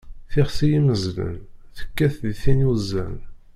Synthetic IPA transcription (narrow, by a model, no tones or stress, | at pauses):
θɪχsijiməzlə̰nθə̥kːæθðθinjuzːæ̰l